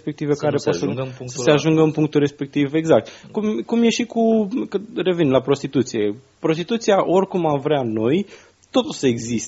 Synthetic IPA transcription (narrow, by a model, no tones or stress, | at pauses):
spe̞k̚t̪ivekaɾepasssəse̞aʒuŋɡəɨmpuŋk̚t̪ulɾe̞spe̞k̚t̪ive̞ɡzak̚t̪kumkumje̞ʃikukəre̞vinlapɾo̞st̪it̪ut̪sije̞ | pɾo̞st̪it̪ut̪siaʔo̞rʲkumamvɾeano̞j | t̪o̞t̪usəeɡzist̪